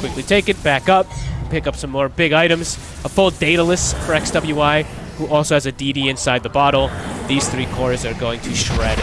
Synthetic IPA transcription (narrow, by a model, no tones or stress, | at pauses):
kʰwɪklitʰeɪkɨt̚b̥ækʌp̚pɪkʌpsʌ̃mːɔɹbɪɡaɪɾɨ̃mz̥ | əfʊlˠdeɪɾəlɪstfə˞ɛksd̥ʌbl̩jʉaɪ | huʔɔlˠsoʊɨzɨdiɾiɨ̃nsaɪd̪̚ðəbɑɾl̩ˠðiz̥θɹikʰɔɹzə˞ɡoʊɪ̃ŋtʰɨʃɹɛɾ